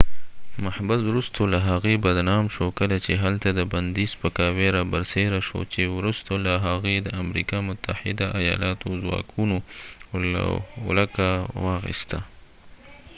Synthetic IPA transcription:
mahbazwɾust̪olaɦaɣebad̪nɑmʃokəlat͡ʃeɦalt̪ad̪əband̪ispəkɑweɾabaɾseɾaʃo̰t͡ʃewɾust̪olaɦaɣed̪əamɾḭkamʊt̪ʰːahɪd̪aʔajɑ̰lɑt̪ozwɑ̰kʰuno̰ | lakawɑɣɪ̰st̪a̰

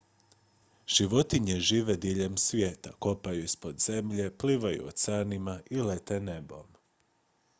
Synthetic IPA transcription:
ʒ̥iʋo̞t̪iɲeʒiːʋed̪iʎe̞msʋʲjeːt̪a̰ko̞pajuispo̞d̪z̥e̞mʎe̞pliːʋajṵo̰sanimaʔilet̪ene̞bo̰m

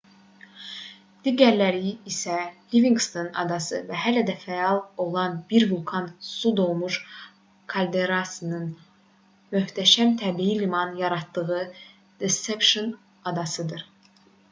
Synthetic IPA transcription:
d̪̥iɟæɾlæɾiːsæliviŋɡst̪ʰonɑ̰d̪ɑsɯ̰væɦælæd̪æfæɑlˠo̞lˠɑnbiɾvulˠkʰɑnsud̪o̞lˠmuʃ | kʰɑlʲd̪eɾɑsɯnɯn | møht̪ʰæʃæmt̪ʰæbijilimɑnjɑɾɑt̪ːɯɣɯ | d̪̥esepʃon | ɑd̪ɑsɯd̪ɯɾ

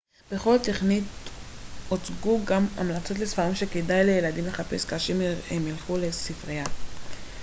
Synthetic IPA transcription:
b̥eχo̞lteχnit | ot͡sɡuɡama̰mlat͡so̞tlesfaʁimʃe̞kedajlejeladimle̞χape̞skaːʃehemilχulesifʁeja

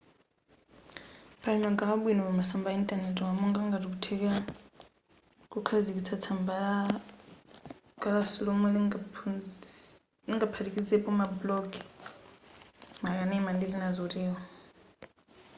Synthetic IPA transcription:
pʰʼaɺimaɡalaɓwinɔβamasambaintʼanɛtʼwamɔŋɡaŋɡatikutʰɛka | kukʰazikit͡sʰat͡sʰambaa | ɡalasulomul | iŋɡapʰatikʼid͡zɛpʼɔmablɔɡ | makanɛimandizinazoɾiːwa

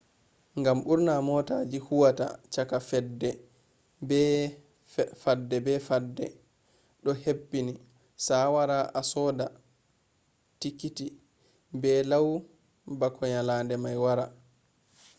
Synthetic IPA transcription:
ŋɡamʔuɾnamɔtad͡ʒihuwata̰t͡ʃakafɛdːɛ | bɛ | fadːɛbɛfadːɛ | ɗɔhepːini | sawaɾaʔasɔːda | tikːiti | bɛlaw | bakʰɔɲalandɛmajwaɾa

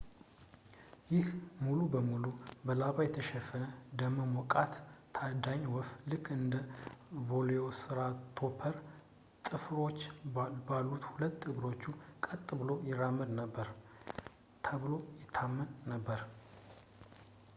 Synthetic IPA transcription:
jɪhmulubəmulubəlaβajɛt̪ʰəʃɛfənəd̪əmːəmɔkʼat̪ːʰ | ad̪aɲwɔflɨkʰːɨnd̪əvo̞lejosɨɾat̪ʰo̞pʰəɾ | t̪ʼɨfɾo̞t͡ʃːbalːut̪hulət̪ːɨbɾo̞t͡ʃːukʼət̪ʼːɨbɨlo̞jɪrːamːəd̪nəbːəɾ | t̪ʰəβlo̞jɪt̪ʰːamːənːəbːəɾ

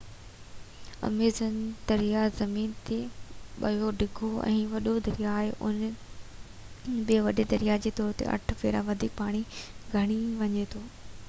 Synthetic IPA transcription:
ɐ̰meːzənd̪ɐɾijazɐmiːnt̪eɓɐ̰joɖʱɪɡʱoɛ̰̃ːʋɐɗod̪ɐɾijaːɦeʔʊ̰n | bɪʋɐɗed̪ɐɾijad͡ʑeːt̪ɔːɾt̪ḛʔɐ̰ʈʰpeːɾaʋɐd̪ʱiːk̚paːɽ̃iɡʱɐɽ̃iʋɐɲet̪ʰoː

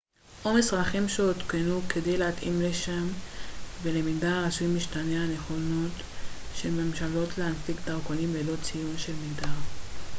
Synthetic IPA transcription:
ʔomisʁaχimʃeot̪kenuke̞de̞jleat̪imle̞ʃamvele̞miɡdaʁasuuijmːiʃtaneane̞χo̞no̞t | ʃe̞lme̞mʃalo̞tleanfikd̪aʁkonimle̞lo̞t͡sijunʃe̞lmiɡdaʁ

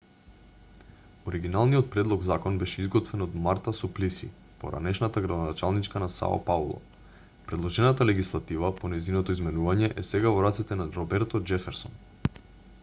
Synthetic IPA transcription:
oɾiɡinalˠnijɔt̪̚pɾɛd̪lˠɔɡzakɔnbɛʃɛizɡɔt̪vɛnod̪maɾt̪asɔplisḭ | po̰ɾa̰nɛʃnat̪aɡɾad̪onat͡ʃalˠnit͡ʃkanasa̰a̰paulˠɔ̰ | pɾɛd̪lˠɔʒɛnat̪alɛɡislˠat̪ivaponɛjzinɔt̪ɔizmɛnuvaɲɛʔɛsɛɡavɔɾat̪sɛt̪ɛnaɾɔbɛɾt̪ɔd͡ʒɛfɛɾsɔn

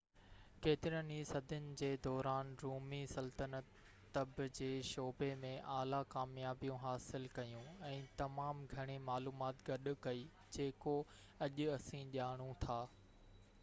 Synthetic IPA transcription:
keːt̪ɪɾənisɐd̪ʱʊnɪ̆d͡ʑeːd̪ɔːɾaːnɾuːmisɐlt̪ənət̪ː | ɐbd͡ʑeːʃɔːbemẽʔaːlakaːmjaːbijũɦaːsɪlkɐjũɛ̃ːt̪ɐmaːmɡʱɐɽ̃emaːluːmaːt̪ɡɐɗʊkɐi | d͡ʑeːko | ɐʄʊɐsĩʄaːɽ̃ũt̪ʰaː

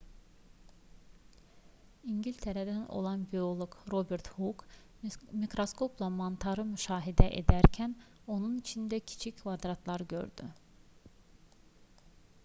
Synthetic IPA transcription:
iɲɟilʲt̪ʰeɾæd̪æno̰lˠɑnbio̞lˠoɡɾo̞be̞ɾt̪huk | mikɾo̞sko̞pʰlˠamont̪ʰɑɾɯmyʃɑːɦid̪æʔḛd̪æɾcʰæn | o̞nunit͡ʃʰind̪æcʰi̥t͡ʃʰicʰvɑd̪ɾɑt̪ʰlˠɑɾɟø̞̰ɾd̪y

